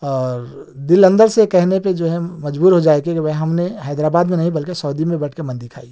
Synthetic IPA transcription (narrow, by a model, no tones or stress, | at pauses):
ɔːɾ | d̪ɪlə̃nd̪əɾsekɛɦneped͡ʒoːɦɛmɐd͡ʒbuːɾɦod͡ʒaːekekiʋɐɦɦɐmneɦɛːd̪ɾaːbaːd̪mẽnɐɦĩbɐlkesɔːd̪imẽbɐʈʰkemɐ̃nd̪ɪkʰaːi